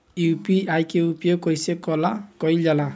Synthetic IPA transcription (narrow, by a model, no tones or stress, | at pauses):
jupiajkeupjokɔjsekɔlakɔjld͡ʒala